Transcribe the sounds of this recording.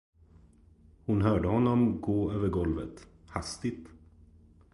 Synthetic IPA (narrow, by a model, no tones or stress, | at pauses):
hʊnɦœːɖəhɔnːɔmɡoːøːvəɾɡɔlvə̰t̪hast̪ɪt̪